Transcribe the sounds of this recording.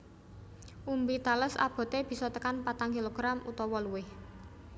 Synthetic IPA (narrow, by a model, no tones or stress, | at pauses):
ʔumbit̪aləsa̰b̥ɔ̤t̪eb̥i̤sɔt̪əkanpat̪aŋkiloɡ̥ɾamʔṵt̪ɔwɔluwɪh